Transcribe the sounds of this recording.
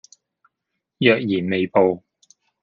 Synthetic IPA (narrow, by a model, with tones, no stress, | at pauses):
jœː˨k̚jiː˨˩nme˨jpo˨w